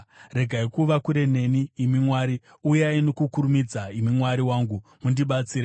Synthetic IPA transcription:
re̞ɡʱaikuʋakuɾe̞ne̞niːmimwaːɾi | ujainokukuɾumid͡zaimimwaɾiwaːŋɡumundiɓat͡siːɾe

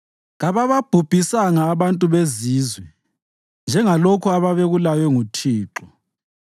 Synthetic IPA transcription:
ɣaβaβab̥ʱub̥ʱisaŋaːβantʼuβeziːzwɛ | nd͡ʒʱɛŋalokʰuaβaβeɣulajɛŋutʰiːǁɔ

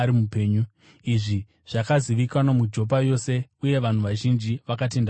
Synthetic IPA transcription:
ɾimupeːɲu | iʐi | ʐ̥akaziʋikanamud͡ʒo̞p̬ajo̞se̞uje̞ʋan̤uʋaʒind͡ʒiʋakat̬e̞nd

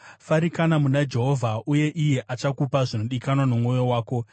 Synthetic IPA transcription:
faɾikanamunad͡ʒe̞ɦo̞vʱaʔuje̞ʔijeʔat͡ʃakupaʐino̞ɗikanwanomŋo̞jo̞waːko̞

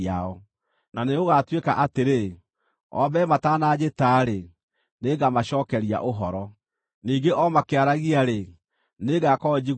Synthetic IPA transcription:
aɔ | naneoɣatweka̰ʔateɾe | ɔ̰bɛmataːnad͡ʒetaɾe | neɡamaɕɔːkɛɾia̰ʔoɦɔɾɔ | niːŋɡeʔɔmakeaɾaɣiaɾe | neɣakɔːd͡ʑi

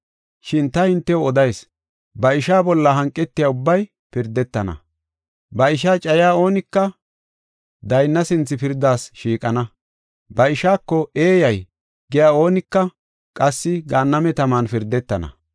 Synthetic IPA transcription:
ʃɪnt̪ɐhɪnt̪ːɛwɔd̪ɐjs | bɐɪʃaːbɔlːɐɦɐŋkʼːɛt̪ːɪjaːʊbːɐj | pɪɾd̪ɛt̪ːɐnɐ̰ | bɐɪʃaːt͡ʃʼɐjaːo̞ːnɪkːɐ | d̪ɐjnːɐsɪnt͡sːɪpɪɾd̪ːaːsʃiːkʼɐnɐ | bɐɪʃaːkːɔe̞ːjɐj | ɡɛjaːo̞ːnɪkːɐ | kʼɐsːɪɡaːnːɐmɛt̪ɐmaːnfɪɾd̪ːɛt̪ːɐnɐ̰

